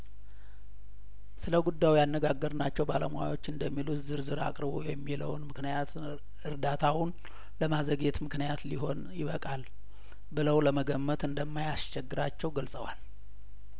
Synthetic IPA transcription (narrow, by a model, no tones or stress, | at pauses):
sɨləɡud̪ːajjanːəɡaɡːəɾnat͡ʃːɛwbaləmwa̰wo̞t͡ʃːɨnd̪əmːilut̪zɨɾzɨɾa̰kʼɾɨbo̰jɛmːilə̰wnmɨknɨjat̪ʰ | ɨɾd̪at̪ʰawʊn | ləmazəɡe̞t̪mɨknijat̪liɦo̞njɪβəkʼal | bɨləwləməɡəmːət̪ɨnd̪əmːajast͡ʃɛɡːɨɾat͡ʃːɛwɡəlsʼəwa̰l